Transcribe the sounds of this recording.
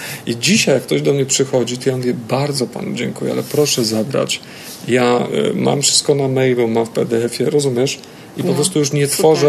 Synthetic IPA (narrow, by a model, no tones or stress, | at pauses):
id͡ʑiɕajakːt̪ɔʑd̪ɔmɲɛpʂɘxɔd͡ʑit̪ɔjanvʲjɛbaɾd̪zɔpa̰nud͡ʑɛŋkujɛ̰alɛpɾɔʂɛzabɾa̰t͡ɕ | ja̰ma̰mfʂɘ̥st̪̚kɔnamɛjbɔmamfpɛd̪ɛɛfʲjɛɾɔzumʲjɛʂ | ipɔpɾɔst̪ujuʂɲɛt̪fɔʐɛ